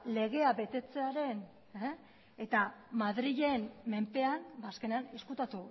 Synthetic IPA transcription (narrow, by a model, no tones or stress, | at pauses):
le̞ɣe̞aβe̞t̪e̞t͡se̞aɾe̞n | e | et̪amaðɾiʎe̞nme̞mpe̞anbaːske̞neane̞skut̪at̪u